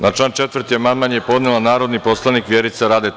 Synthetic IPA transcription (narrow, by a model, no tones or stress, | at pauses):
nat͡ʃant͡ʃe̞t̪ʋr̩t̪iamanmanjepo̞d̪nelˠanaːɾo̞d̪nipo̞slˠanikʋjeɾit̪saɾaːd̪e